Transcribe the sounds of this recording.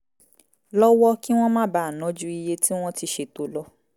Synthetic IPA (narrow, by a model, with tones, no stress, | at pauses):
lɔ˦wɔ˦ki˦w̃ɔ̃˦mã˦ba˦a˨nɔ̃˨˦d͡ʒu˦i˧je˧ti˦w̃ɔ̃˦ti˧ʃe˧to˨lɔ˦